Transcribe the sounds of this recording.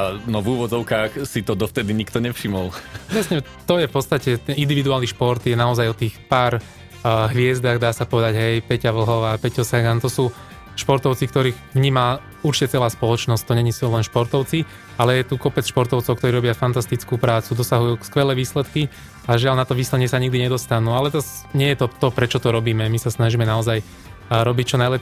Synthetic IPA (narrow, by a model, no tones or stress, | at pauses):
anɔvuːʋɔd͡zɔʊkaːxsit̪ɔd̪ɔft̪ɛd̪iɲikt̪ɔɲɛfʃimɔlɾɛsɲɛ | t̪ɔjɛfpɔt̪t͡st̪acɛt̪ɛnʔind̪iʋid̪uaːlniʃpɔɾt̪jɛnaɔzajɔt̪iːxpaːɾ | ɦʋɪɛzd̪aːɣd̪aːsapɔʋɛd̪aɟɦɛjpɛcaʋl̩ɦɔʋapɛcɔsaɡant̪ɔsuː | ʃpɔɾt̪ɔʊt͡sik̚t̪ɔɾiːɣʋɲiːma | uɾt͡ʃi̥cɛt͡sɛlaːspɔlɔt͡ʃnɔsct̪ɔɲɛɲisulɛnʃpɔɾt̪ɔʊt͡si | alɛjɛt̪ukɔpɛt͡sʃpɔɾt̪ɔʊt͡sɔʊkt̪ɔɾiːɾɔbɪafant̪ast̪it͡skupɾaːt͡sud̪ɔsaɦujuːkskʋɛlɛːʋiːslɛt̪ki | aʒɪaʎnat̪ɔʋiːslɛɲɪɛsaɲiɡ̚d̪iɲɛd̪ɔst̪anuːalɛt̪ɔɲɪɛjɛt̪ɔt̪ɔpɾɛt͡ʃɔt̪ɔɾɔbiːmɛmisasnaʒiːmɛnaɔzaj | ɾɔbict͡ʃɔnajlɛ